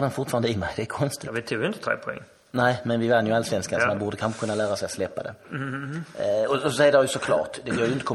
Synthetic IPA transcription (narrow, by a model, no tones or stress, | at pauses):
d̪ɛnfʊɾʈfɑːɾand̪əɪmɛjd̪ɛkʰɔnst̪ɪvɪt̪ʰuːɡjɪnt̪ət̪ʰɾḛːpʰʊɛ̰ŋː | næɪmɛnvɪvanːjɵalsʋɛnskanɔmanbuːɖəkʰanɧə̥kʰɵnːalæːɾasɛjslɛpːa̰d̪ɛ̰ | ɔɔɔsɛjəɾajɵsɔkʰlɑ̰ːʈd̪ɛɡøːɾjʏɪnt̪əkʰɔ